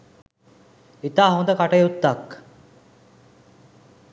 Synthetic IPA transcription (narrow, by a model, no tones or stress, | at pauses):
it̪aːɦõnd̪əkaʈəjut̪ːak